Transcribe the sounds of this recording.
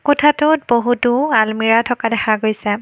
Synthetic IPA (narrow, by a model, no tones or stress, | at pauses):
kɔtʰatʊt̚boɦutualmiɹatʰɔkadɛxaɡojsɛ